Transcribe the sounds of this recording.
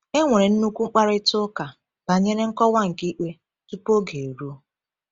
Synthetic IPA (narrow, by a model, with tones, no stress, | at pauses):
e˦ŋʷe˨ɾe˨n̩˦nu˦kʷu˦ŋ͡m̩˦k͡pa˦ɾɪ˦tʊ˦ka˨ | ba˨ɲe˦ɾe˦ŋ̩˦kɔ˦wa˦ŋ̩˨ki˦k͡pe˦ | tu˦po˦ɡe˨ɾu˦